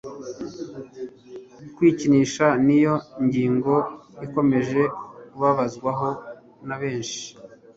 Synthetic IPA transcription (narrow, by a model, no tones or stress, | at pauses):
kwiːciniʃanijo̞iɲɟiːŋɡo̞iko̞me̞ʒe̞kuβaβazɡwaɦo̞ | naβe̞ːnʃi̥